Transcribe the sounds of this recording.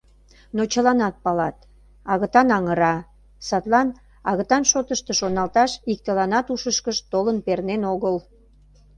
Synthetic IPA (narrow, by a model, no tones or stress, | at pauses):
not͡ɕəlɑnɑt̪̚pɑlɑt̪ | ɑɣət̪ɑnɑŋəɾɑ | sɑt̪lɑn | ɑɣət̪ɑnʃot̪əʃt̪eʃonɑlt̪ɑʃik̚t̪əlɑnɑt̪uʃəʃkəʃt̪olənpernenoɣəl